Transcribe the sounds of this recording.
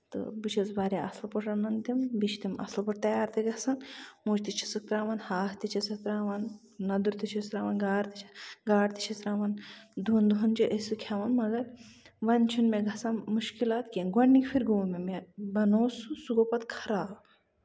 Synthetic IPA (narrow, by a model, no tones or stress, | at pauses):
t̪ɨ̰bit͡ʃʰɐt͡sbaːɾʲaɐslɐpɐʈʰɐnɐnd̪imbit͡ʃʰt̪imɐ̰slɐpɐʈ̚t̪ɐjaːɾt̪iɡɐsɐnmuːt͡ʃt̪it͡ʃʰi̥sɨk̚t̪ɾaːʋɐnhaːst̪it͡ʃʰɐsɨk̪ɾaːʋɐnː | ɐd̪uɾt̪it͡ʃʰisɾaːʋɐnɡaːɾt̪it͡ʃʰɐ̥ɡaːɾt̪i̥t͡ʃʰɐsɾaːʋɐnd̪ʱuːnd̪uɦɐnd͡ʒiʔəsɨkʲʰjaːʋɐnmɐɡɐɾʋɐnt͡ʃʰunmeɡɐsaːnmuʃkilaːt̪kʲenɡɐnːikfʰiɾɡoːlmemebɐnoːsusuɡoːpɐt̪kʰɐɾaːb